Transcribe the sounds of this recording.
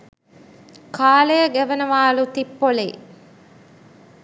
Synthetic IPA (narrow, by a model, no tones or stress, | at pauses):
kʰaːlejəɡæʋɐnɐʋaːlut̪ipːolḛ